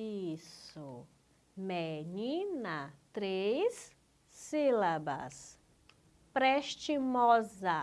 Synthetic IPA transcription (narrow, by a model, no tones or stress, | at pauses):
isʊ | menĩnɐt̪ɾesː | ilabɐ̰s | pɾeʃt͡ʃimɔzɐ